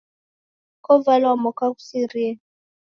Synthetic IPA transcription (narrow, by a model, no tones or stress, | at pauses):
kɔvalwamɔkaku̥siɾiɛ